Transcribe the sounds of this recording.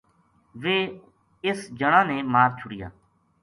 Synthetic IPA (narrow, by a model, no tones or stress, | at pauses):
ʋeː | ɪsd͡ʒəɳãːnẽːmaːɾt͡ʃʰʊɽɪja̰ː